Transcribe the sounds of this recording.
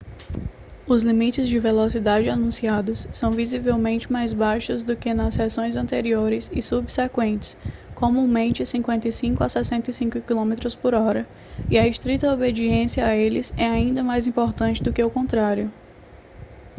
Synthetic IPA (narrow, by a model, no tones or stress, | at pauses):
ʊzlimit͡ʃɪzd͡ʒɪvelosid̪ad͡ʒɪanũsiad̪ʊsːɐ̃w̃vizivewmẽnt͡ʃɪmajzbajʃʊzd̪ʊkɪnɐshɛsõj̃zɐ̃nt̪eɾioɾɪsɪsubsekwẽnt͡ʃɪ̥skõmũũmẽnt͡ʃɪsĩkwẽnt̪ɐjsĩkʊasɛsẽnt̪isĩkʊkilõmet̪ɾʊspoɾɔɾɐ | iɐist̪ɾit̪ɐobed͡ʒiẽsiɐaelɪsɛaĩnd̪ɐmajzĩpoɾt̪ɐ̃nt͡ʃɪd̪ʊkɪaʊkõnt̪ɾaɾjʊ